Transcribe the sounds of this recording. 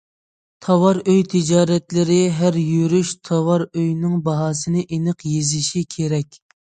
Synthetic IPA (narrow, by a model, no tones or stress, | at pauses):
t̪ʰɑwɑɾøjt̪ʰɪd͡ʒɑːɾɛt̪lɪɾɪɦæɾjyɾyʃt̪ʰɑwɑɾøjnɪŋbɑɦɑːsɨnɪʔenəqjezɪʃikʲʰeɾɛkʲ